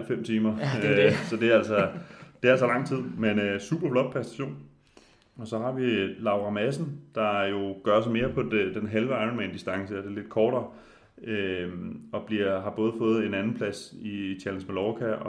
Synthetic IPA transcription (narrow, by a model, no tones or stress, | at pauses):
l̰fem̰t͡sʰiːmɐ | sɒ̽d̥e̝ææl̰sɒd̥e̝ææl̰s̬ɒlɑ̈ŋ̰t͡sʰið̞̰ˠmenøsṵːb̥ɐb̥lɒ̽d̥̚pʰʁɛsd̥æɕo̝̰ːn | ɒ̽sɒ̽ɦɑ̈ʋilɑ̈ʊʁɑ̈mæs̬n̩d̥ɑ̈jo̝ɡ̥ɶɐs̬ɑme̝ːɐpʰɒ̽dd̥enɦelʋəɑ̈ɪɔnmænd̥isd̥ɑ̈ŋsəɒd̥e̝le̝d̥̚kʰɒːɾ̥ɐː | ø | ɒ̽b̥liɐɦɑ̈b̥ɔ̽ːð̞̩ˠfɔ̽ːð̩ˠe̝nænn̩pʰlæsit͡ɕʰælensmælɒːkʰæɒ